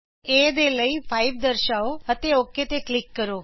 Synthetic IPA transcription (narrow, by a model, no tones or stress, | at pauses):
eːd̪eləipʰaiʋd̪əɾʃaoɦət̪eoket̪eklɪkːəɾoː